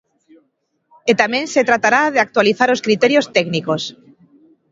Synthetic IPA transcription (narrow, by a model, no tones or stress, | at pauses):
et̪amẽnset̪ɾat̪aɾaðeak̚t̪waliθaɾoskɾit̪eɾjost̪ɛknikos